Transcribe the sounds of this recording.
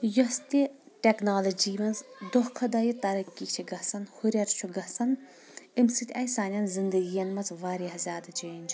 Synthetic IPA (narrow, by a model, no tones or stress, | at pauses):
jɔst̪i | ʈʲeknaːlɐd͡ʒiːmɐnzd̪ɔhkʰɐd̪ɐjit̪ɐɾɐkʲːikt͡ʃʰiɡɐsɐnhuɾʲɐɾt͡ʃʰuɡɐsɐn | imsit̪ʲɐjsaːnʲɐnzind̪ɐɡijɐnmɐt͡sʋaːɾʲiɦɐzʲjaːd̪ɐt͡ʃeːnʲt͡ʃʰ